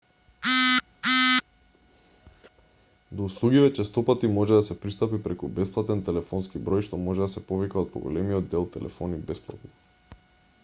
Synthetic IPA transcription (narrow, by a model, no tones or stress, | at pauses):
d̪ouslˠuɡivɛt͡ʃɛst̪ɔpat̪imɔʒɛd̪asɛpɾist̪apipɾɛkubɛsplˠat̪ɛnt̪ɛlɛfɔnskibɾɔjʃt̪ɔmɔʒɛd̪asɛpovikaɔt̪̚pɔ̰ɡɔ̰lɛmiɔd̪ːɛlˠt̪ɛlʔɛ̰fɔnibɛsplˠa̰t̪nɔ